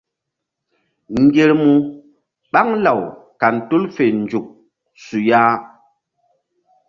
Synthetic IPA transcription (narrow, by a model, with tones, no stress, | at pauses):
ŋ̩˨ɡe˨ɾmu˨ | ɓa˦ŋla˨wka˨n˨tu˦lfe˨n̩˨d͡ʒu˨k̚ | su˨jaː˦